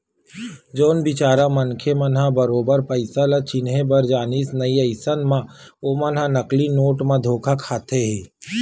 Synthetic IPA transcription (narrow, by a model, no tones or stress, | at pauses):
d͡ʒoːnbɪt͡ʃaːɾamɐnkʰemɐnɦabəɾoːbəɾpəɪsalat͡ʃɪnɦebɐɾd͡ʒaːniːsnɐiɐɪsənmãomɐnɦãnɐklinoːʈmãd̪ʱoːkʰakʰaːt̪ʰeɦɛː